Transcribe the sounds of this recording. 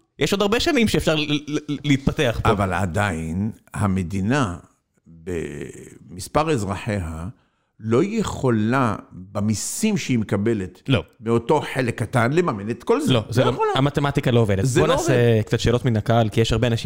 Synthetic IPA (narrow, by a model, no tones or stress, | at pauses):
jʔeʃo̞d̪aʁbeʃanimʃeːfʃaʁlliit̪̚pate̞aχpovala̰dainhamed̪ina | bḛmispaʁezʁaħeɦa | lo̞jeχolabamisimʃeimekabelet̪lobeoto̞ħelekːatanlemamenet̪kolzlozeoolaamat̪emat̪ikaloovedezonaːsekt͡sat̪ʃeːlo̞t̪minakalkijeʃhaʁbeanaʃim